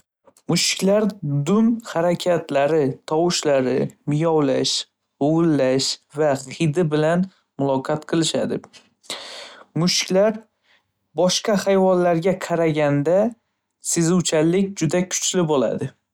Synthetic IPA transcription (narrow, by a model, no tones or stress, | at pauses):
mʊʃkʲlaɾd̪ʊnhaɾakʲʰat̪ʰlaɾɪt̪ʰɒwɪʃlaɾɪmɪjɒwlaʃ | oʊlːaʃvaqʰɨd̪ɪbɪlan | mʊlˠɒqʰɑt̪qʰɨlˠɪʃa̰d̪ɪ | mʊʃkʲlaɾ | bɒʃqɑhajvɒnlːaɾɡʲaqʰɑɾaɡʲand̪a | sezuwt͡ʃʰalɪkʲd͡ʒʊd̪akʰʊ̥t͡ʃlɪbola̰d̪ɪ